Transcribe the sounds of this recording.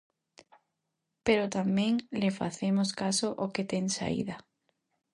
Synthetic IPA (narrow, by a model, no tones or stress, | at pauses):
peɾot̪amẽŋlefa̰θemoskasoʔoket̪eŋsa̰ḭðɐ